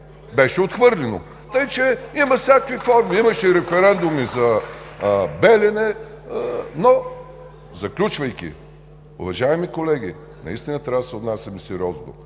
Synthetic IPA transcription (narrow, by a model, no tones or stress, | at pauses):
bɛʃɛot̪xvɤɾlʲɛno̰ | t̪əit͡ʃɛimɐsʲjakvifɔɾmiimɐʃɛiɾɛfɛɾɛnd̪ʊmizɐ | bɛlʲɛnɛ | no | zɐklʲut͡ʃvɐjkʲḭ | ʊ̰vɐʒaɛmikolɛɡ̟ʲi | nɐ̰ḭst̪inət̪ɾad̪sɛod̪nasʲɐmisiɾɔzd̪ʊ̰